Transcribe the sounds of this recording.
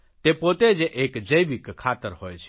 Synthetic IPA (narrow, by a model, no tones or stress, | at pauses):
t̪epot̪ed͡ʒeʔekd͡ʒəjʋikkʰːaːt̪əɾɦojt͡ʃʰ